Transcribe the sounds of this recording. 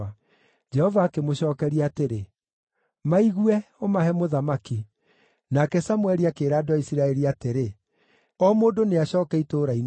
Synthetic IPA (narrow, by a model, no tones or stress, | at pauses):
a | d͡ʒɛhɔvaːkemoɕɔːkɛɾiateɾe | maiɣwɛomaɦɛmoðamaki | nakɛsamwɛɾiakeːɾaːdoaisiɾaɛɾiateɾe | ɔmoːdoneaɕɔːkɛitoːɾain